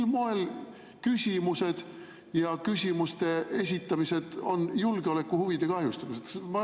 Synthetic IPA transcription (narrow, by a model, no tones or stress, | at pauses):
lmoel | kysʲimuse̞d̪̥ | jɑkysʲimust̪e̞es̬ʲit̪ːˑɑmise̞d̪̥o̞njulɡ̥eo̞le̞kːˑuhuvid̪̥e̞kɑhjust̪ɑmised̪smɑ